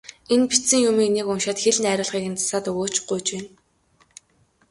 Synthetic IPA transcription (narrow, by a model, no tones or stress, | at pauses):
enpi̥tsɘ̆ŋjʊmiːnekʊnʃaːt̪xeɮnæːɾʲʊːɮʁχiːkɘ̆nt͡sḁsaːt̪ɵɣoːt͡ɕɢujt͡ɕweːn